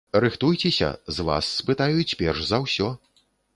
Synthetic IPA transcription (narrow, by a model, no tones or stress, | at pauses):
rɨxt̪ujt͡sʲɛsʲɐ̰zva̰sːpɨt̪ajut͡sʲpʲɛrʐzɐwsʲɔ